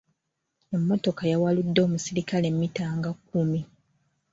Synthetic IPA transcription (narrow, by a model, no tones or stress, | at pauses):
e̞mːo̞to̞kajawaludːo̞ːmusiɾikalemːitaːŋɡakːumi